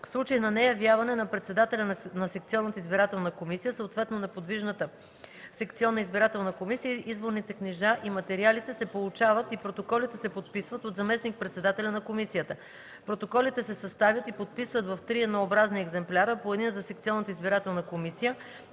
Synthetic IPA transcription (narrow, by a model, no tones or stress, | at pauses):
fslˠut͡ʃəjinɐnɛjɐvjavɐnɛnɐpɾɛt̪sɛd̪at̪ɛlʲɐnɐsɛk̚t̪siɔnːət̪əizbiɾat̪ɛlˠnəkomisijəsəot̪vɛt̪nonɛpod̪viʒnət̪ə | sɛkt̪siɔnːəizbiɾat̪ɛlˠnəkomisijəʔizboɾnit̪ɛkniʒaʔimɐt̪ɛɾialit̪ɛsɛpolˠut͡ʃavət̪ipɾot̪okɔlit̪ɛsɛpot̪̚pisvət̪ot̪zɐmɛsnik̚pɾɛt̪sɛd̪at̪ɛlʲɐnɐkomisijət̪ə | pɾot̪okɔlit̪ɛsɛsɐst̪avʲjət̪ipot̪̚pisvət̪vɐft̪ɾiɛd̪noobɾazniɛɡzɛmplʲaɾəpoɛd̪inəzɐsɛkt̪siɔnːət̪əizbiɾat̪ɛlˠnəkomisijə